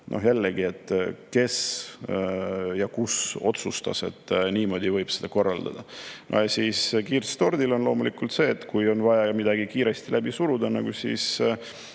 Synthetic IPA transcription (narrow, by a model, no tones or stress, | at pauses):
nʔo̞̰ɦjælːeɡie̞t̪ːˑke̞s | jɑkuso̞t̪sust̪ɑ̰se̞̰t̪ːˑniːmo̞ːd̪ivɤjb̥sed̪̥ɑko̞rːɑld̪̥ɑ̰d̪̥ɑnʔo̰siːskiːrst̪o̞rd̪ilo̞nlo̞ːmulikːult̪se̞ːt̪ːkujo̞nvɑjɑmid̪̥ɑɡ̥ikiːɾe̞st̪ilʔæbisuɾud̪̥ɑnɑɡ̥usḭːs